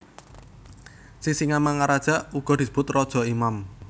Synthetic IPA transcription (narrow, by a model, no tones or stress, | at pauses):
sisiŋamaŋaɾad̥ʒ̥a̤ʔuɡ̥ɔ̤d̪̥i̤sə̥b̥ʊt̪rɔd̥ʒ̥ɔ̤imam